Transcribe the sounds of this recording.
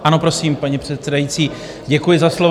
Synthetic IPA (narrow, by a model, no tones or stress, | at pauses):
ʔano̞pɾo̞siːmpaɲipr̝̥ɛt̪sɛdajit͡siː | ɟɛkujɪzaslo̞v